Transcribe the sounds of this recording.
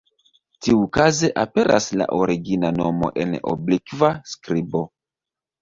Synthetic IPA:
tiukaze̞ʔape̞ɾʔasla̰ʔoɾiɡinano̞mo̞̰ʔe̞̰no̰blikvaskɾibo̞

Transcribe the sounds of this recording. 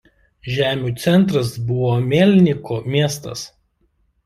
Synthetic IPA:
ʒʲæːmʲuːˑt̪sʲɛnˑt̪ɾɐsbʊʋoːmʲeːlʲnʲɪkoːmʲiɛst̪ɐs

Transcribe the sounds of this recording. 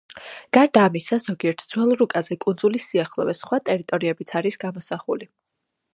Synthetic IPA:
ɡ̥aɾd̪aːmisaz̥ɔɡiɛɾt̪ʰd̪zwɛlˠɾukʼazɛkʼund̪zulisːiaχlˠɔ̰vɛsχwat̪ʼɛɾit̪ʼɔɾiɛbit̪sʰaɾisɡ̥amɔsaχṵli

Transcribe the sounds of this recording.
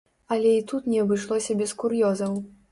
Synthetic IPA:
ɐlʲɛit̪ut̪nʲɛɐbɨʂlˠɔsʲɐbʲɛskuɾjɔzɐw

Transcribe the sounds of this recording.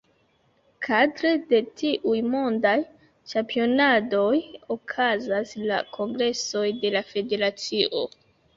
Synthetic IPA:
kʰadɾe̞de̞tʰiʔujmo̞ndaj | t͡ʃampio̞nado̞jo̞kʰazasla̰kʰo̞ŋɡɾe̞so̞jde̞lafe̞de̞ɾat͡siʔo̞

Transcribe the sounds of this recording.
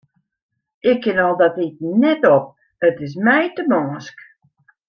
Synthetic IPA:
ɪkʰːɪnɔlˠdɔtit̚nɛtɔp̚ | ətɪs̬mɛjtəmɔːsk

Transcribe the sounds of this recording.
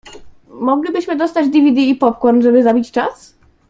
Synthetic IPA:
mɔɡlʲibɘɕmɘd̪ɔst̪ad͡ʑd̪ʲivʲid̪iːpɔp̚kwɔnʐɛbɘzabʲit͡ɕt͡ʂas

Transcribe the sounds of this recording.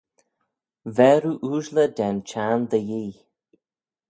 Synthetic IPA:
vɛɾuʔuːʒlədɛnt͡ʃʰaːnd̪əjiː

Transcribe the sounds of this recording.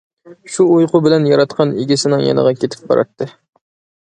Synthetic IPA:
ʃuujqʊbɪlɛnjɑɾɑt̪qʰɑniɡʲisɪnɪŋjɑ̰nə̰ʁɑkʲʰet̪ʰɪ̥p̚bɑ̰ɾʔɑ̰t̪ʰːɨ

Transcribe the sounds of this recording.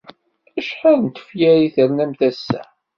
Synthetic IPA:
æʃħəðˤnt̪ə̥fjæɾiθəɾnæmθæsːæ̰

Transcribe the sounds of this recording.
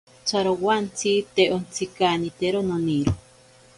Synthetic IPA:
t͡sʰaɾowant͡sʰit̪eʔont͡sʰikanit̪eɾononiɾo

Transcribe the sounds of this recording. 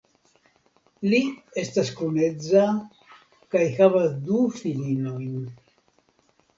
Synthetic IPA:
lie̞staskune̞d͡za | kajhavasdufilino̞jn

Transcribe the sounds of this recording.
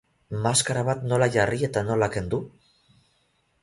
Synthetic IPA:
maskaɾaβat̪no̞laʝarie̞t̪ano̞lake̞nd̪u

